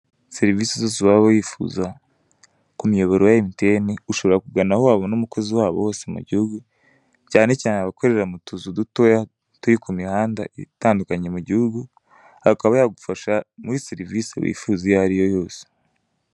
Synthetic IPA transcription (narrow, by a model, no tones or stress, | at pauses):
seɾiviːsezoːs̬iβaβojiːfṵza | kumijo̞βeɾojaimte̞niuʃo̞βo̞ɾakuɡanahowaβo̞numuko̞ziwaːβo̞̰ho̞ːse̞mṵɟihuɡu | caːne̞caːneaβako̞ɾe̞ɾɾamutuzuduto̞ja | tuɾikumihaːndaḭtaːndukaɲe̞muɟihuɡu | hakaβajaɡufaʃamuɾiseɾiviːsḛβḭːfuzijaaɾijo̞jo̞ːse̥